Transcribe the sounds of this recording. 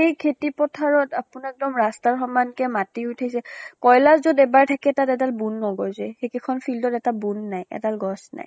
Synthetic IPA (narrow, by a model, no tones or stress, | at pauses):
xejkʰetipɔtʰaɹɔtapunɛk̚dɔmɹastaɹxɔmankɛmatiujtʰajsɛkɔjlaszodɛbaɹtʰakɛtatɛdalbunːɔɡɔjzɛxekikʰɔnpʰildɔtɛtabunːajɛ̰dalɡɔsna̰j